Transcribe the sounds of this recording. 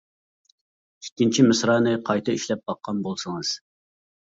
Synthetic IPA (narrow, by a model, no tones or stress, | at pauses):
ikʲːint͡ʃʰimɨsɾɑːnɨqʰɑjt̪ʰɨiʃlɛp̚bɑqːɑnbolˠsɨŋɨz̥